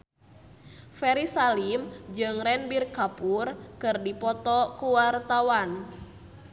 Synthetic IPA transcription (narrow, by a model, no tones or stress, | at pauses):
fɛɾisalimd͡ʒɨŋrɛnbirkapurkɨrdipɔt̪ɔkuwart̪awan